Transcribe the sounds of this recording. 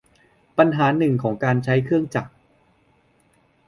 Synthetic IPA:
pa˧nɦaː˩˦nɯ˨˩ŋkʰɔː˩˦ŋkaː˧nt͡ɕʰa˦˥jkʰɯ˥˩əŋt͡ɕa˨˩k̚

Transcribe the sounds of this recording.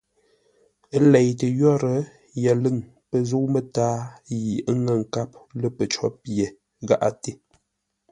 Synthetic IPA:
lɛ˨jtə˨jɔ˦ɾə˦ | jə˨lɨ˦˨ŋ | pə˨zu˦kmə˦taː˦ji˨˦ŋə˨ŋ̩˨ka˦p̚lə˦pə˨t͡ʃɔ˦pje˨ | ɣa˦ʔa̰˦te˦

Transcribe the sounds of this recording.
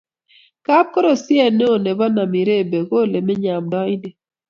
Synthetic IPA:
ka˦p̚ko˦ɾo˨sjɛ˦˨ne˦o˨ne˨ba˦na˨mi˨ɾe˦˨be˨ɡo˦˨le˨mɛ˦ɲa˨mdɔ˦jni˨

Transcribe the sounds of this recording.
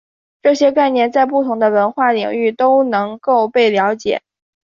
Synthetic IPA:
ʈ͡ʂɤ˥˩ɕjɛ˥ka˥˧ɪnjɛ˥˧nt͡sa˥˧ɪp̬u˥˩t̪ʰʊ˧˥ŋd̪ə˧wə˧˥nxwa˥˩li˨˩ŋy˥˩t̪o˥ʊnɤ˧˥ŋko˥˧ʊpe˥˩ɪljɑ˧˥ʊt͡ɕjɛ̰˨˩˦

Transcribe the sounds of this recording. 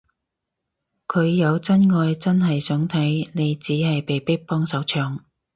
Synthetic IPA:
kʰɵ˨˧ɥjɐ˨˧wt͡sɐ˥nŋɔː˧jt͡sɐ˥nɦɐ˨jsœː˨˥ŋt̪ʰɐ˨˥jne˨˧jt͡siː˨˥hɐ˨jpe˨jpɪ˥k̚pɔː˥ŋsɐ˨˥wt͡ʃʰœː˨˧ŋ

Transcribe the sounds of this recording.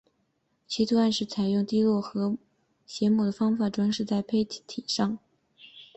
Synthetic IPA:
t͡ɕʰi˧˥t̪ʰu˥a˥˧nʂɻ̩˥˩t͡sʰa˨˩ɪjʊ˥˧˩ŋt̪i˥lwɔ˥˩xɤ˧˥ | ɕjɛ˧˥mu˨˩d̪ə˩fɑ˥ŋfa˨˩ʈ͡ʂwa˥ŋʂɻ̩˥˧t͡sa˥˩ɪpʰe˥ɪt̪ʰi˨˩ʂɑ˥˩ŋ

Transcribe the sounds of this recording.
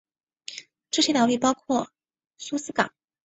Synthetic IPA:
ʈ͡ʂɤ˥˩ɕjɛ˥ɑ˨˩li˥˩pɑ˥ʊkʰwɔ˥˩ | su˥sɹ̩˥ka̰˨˩˦

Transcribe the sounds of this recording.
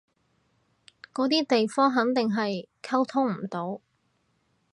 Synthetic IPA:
kɔː˨˥t̪iː˥t̪e˨jfɔː˥ŋɦɐ˨˥ŋt̪ɪ˨ŋɦɐ˨jkʰɐ˥wt̪ʰʊ˥ŋm̩˨˩t̪o˨˥w

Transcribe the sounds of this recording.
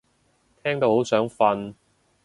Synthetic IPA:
t̪ʰɛː˥ŋt̪o˧who˨˥wsœː˨˥ŋfɐ˧n

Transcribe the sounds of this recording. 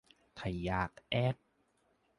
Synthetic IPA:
t̪ʰa˨˩jaː˧˩k̚ʔɛ˦˥˩t̪̚

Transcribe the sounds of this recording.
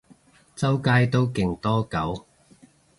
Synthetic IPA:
t͡sɐ˥wkaː˥jt̪o˥wkɪ˨˩ŋt̪ɔː˥kɐ˨˥w

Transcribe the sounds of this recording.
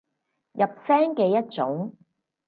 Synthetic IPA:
jɐ˨p̚sɛː˥ŋkɛː˧jɐ˥t̚t͡sʊ˨˥ŋ

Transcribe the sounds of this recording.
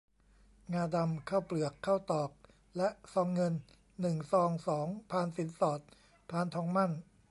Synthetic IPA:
ŋaː˧da˧mkʰaː˥˩wplɯ˨˩əkʰːaː˥˩wt̪ɔː˨˩p̚ | lɛ˦˥ʔsɔː˧ŋːɤ˧nː | ɯ˨˩ŋsɔː˧ŋsɔː˩˦ŋpʰaː˧nsi˩˦nsɔː˨˩t̪̚ | pʰaː˧nt̪ʰɔː˧ŋma˥˩n

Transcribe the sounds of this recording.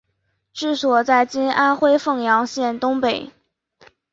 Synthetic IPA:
ʈ͡ʂɻ̩˥˩swɔ˨˩t͡sa˥˩ɪt͡ɕi˥nʔa˥nxwe˥˧ɪfɤ˥˩ŋjɑ˧˥ŋɕjɛ˥˩nt̪ʊ˥ŋpe˨˩˦ɪ

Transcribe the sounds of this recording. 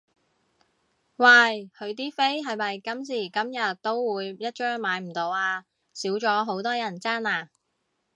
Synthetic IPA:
waː˧˩jkʰɵ˨˧ɥt̪̬iː˥fe˥jɦɐ˨jmɐ˨jkɐ˨˥ms̬iː˨˩kɐ˨˥mjɐ˨t̚t̪o˥wwuː˨˧jjɐ˥t̚t͡ʃœː˥ŋmaː˨˧jm̩˨˩t̪o˨˧waː˧ | siː˨˥wt͡ʃɔː˨˧˥ɦo˨˥wt̪ɔː˥jɐ˨˩nt͡saː˥naː˧

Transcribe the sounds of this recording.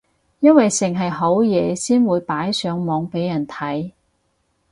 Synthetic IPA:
jɐ˥nwɐ˨jsɪ˨˩ŋɦɐ˨jɦo˨˥wjɛː˨˧siː˥nwuː˨˧jpaː˨˥jsœː˨˧ŋmɔː˨˧ŋpe˨˥jːɐ˨˩nt̪ʰɐ˨˥j

